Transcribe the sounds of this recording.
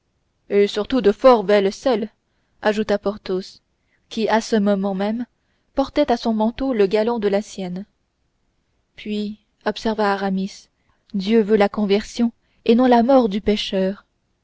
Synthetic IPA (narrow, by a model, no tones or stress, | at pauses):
esyʁt̪ud̪əfɔʁbɛlsɛl | aʒut̪apɔʁt̪os | kʲiasəmɔmɑ̃mɛm | pɔʁt̪ɛt̪asɔ̃mɑ̃t̪oləɡalɔ̃d̪əlasjɛn | pɥi | ɔpsɛʁvaːʁamis | d̪jøvølakɔ̃vɛʁsjɔ̃ | enɔ̃lamɔʁd̪ypeʃœːʁ